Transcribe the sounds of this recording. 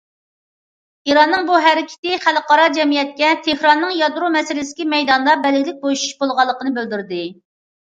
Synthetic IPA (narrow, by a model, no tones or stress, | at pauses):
iɾɑnːɨŋbuɦɛɾɪkʲʰɪ̥t̪ɪχælqʰɑɾɑd͡ʒɛmijɛt̪̚kʲɛt̪ʰehɾɑnːɨŋjɑd̪ɾumɛsɪlɪsɪ̥kʲimɛjd̪ɑnd̪ɑbɛlɡʲilɪk̚ʲbojuʃu̥ʃbolˠʁɑlˠːəqənɨbøld̪yɾd̪ɪ